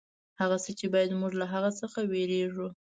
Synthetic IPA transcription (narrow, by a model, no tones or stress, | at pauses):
haɣasət͡ʃebɑjad̪muʐlaɦaɣasəxaweɾeʐu